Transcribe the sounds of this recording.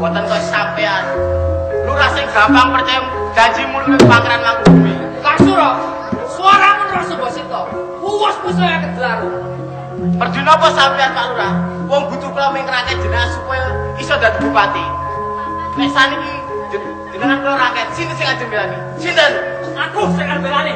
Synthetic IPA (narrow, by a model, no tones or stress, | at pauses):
wɔt̪ənkɔsampɛan | luɾasɪŋɡ̥a̤paŋpərt͡ʃajɔ | d͡ʒ̥ḁt͡ʃimunəŋpakeɾanlabud̪uwi | lasuɾɔ | suaɾamənəɾɔsəbɔ̤sit̪ɔ | huwɔspusɔjakəd͡ʒəlaɾu | pərd̪uinɔpɔsawilianpaluɾa | wɔŋb̥ṳt̪uklɔwiŋɾakɛt̪̚d͡ʒ̥ə̤nəŋansupɔjɔisɔd̪ad̪id̪upat̪i | mɛsaniki̥ | d͡ʒ̥ə̤nəŋankilɔɾakɛt̪sint̪ənsɪŋḁd͡ʒ̥ə̤milani | sint̪ən | mad̥osəŋanbelane